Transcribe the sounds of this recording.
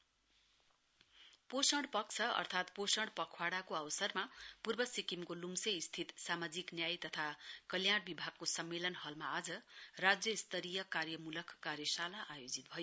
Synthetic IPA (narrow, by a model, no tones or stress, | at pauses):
posʌɽpʌkt͡sʰʌʌ̰rt̪ʰat̪posʌɽpʌkʰwaɽakoawʌsʌrmapurbʌsikimkolumseist̪ʰit̪samad͡ziknjajt̪ʌt̪ʰakʌljaɽ̃bibʱaɡ̚kosʌmːelʌnhʌlmaːd͡zʌrad͡zjʌist̪ʰʌɾijʌkarjʌmulʌkʰːarjʌsalaʔajod͡zit̪̚bʱʌjo